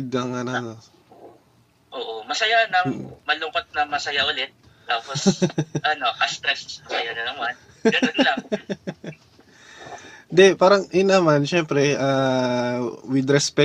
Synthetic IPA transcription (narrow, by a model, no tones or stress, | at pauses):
d̪̚ɐŋɐnɐno | ʔoːʔomɐsɐjanɐŋmɐlʊŋkot̪̚nɐmɐsɐjaʔʊlɪt̪̚ː | aːposʔɐno̞kɐst̪ɾɛssɐsɐjanɐnɐman | ɡɐnonlɐŋ | d̪ɛpaːɾɐŋʔɪnɐmanʃɛmpɾɛʔaː | wɪd̪ɾɛspɛ